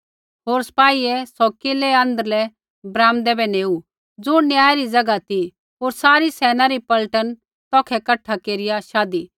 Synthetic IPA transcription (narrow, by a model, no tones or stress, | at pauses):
ɦoːɾsɐ̥paːiɛsɔkɪlɛɐ̃nd̪əɾlɛ | bɾãːmd̪ɛbɛneːu | d͡zunjaːɛɾid͡zɐɡat̪i | ɦoːɾsaːɾisɛːnaɾipɐlʈən | t̪ɔːkʰɛkɐʈʰːakeːɾɪjaʃaːd̪i